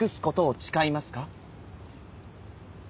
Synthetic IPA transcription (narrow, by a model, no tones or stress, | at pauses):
kɯ̟sɨ̥ko̞t̪o̞ːt͡ɕi̥kaimasɨ̥ka